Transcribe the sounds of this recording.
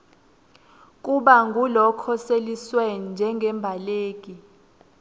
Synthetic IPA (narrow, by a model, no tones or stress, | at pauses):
k̬ʼuɓaŋɡʱulɔkʰɔseliswenind͡ʒʱɛŋɡʱɛmbʱaleːk̬ʼi